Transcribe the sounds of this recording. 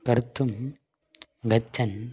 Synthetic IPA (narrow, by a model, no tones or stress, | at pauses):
kɐɾɯt̪ːɯm | ɡɐt͡ʃːɐn